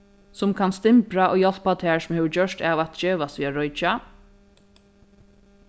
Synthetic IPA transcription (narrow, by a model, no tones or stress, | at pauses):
sʊmkʰanst̪ɪmpɾaʔɔ̰oːɣjɔl̥pat̪ʰɛːɹsʊmhɛːʋəɹd͡ʒœʂt̪aːʋat̪d͡ʒeːʋast̪ʋiːaɾɔjt͡ʃa